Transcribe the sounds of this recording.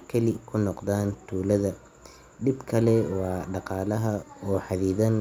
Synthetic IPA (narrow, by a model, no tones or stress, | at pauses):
kʰɐlɪkʰʊnɔqd̪aːnt̪ʰuːlɐðɐ | d̪ɪbkʰɐlɛwɑːɖɑqɑːlɐɦɐɔːħɑðiːðɐn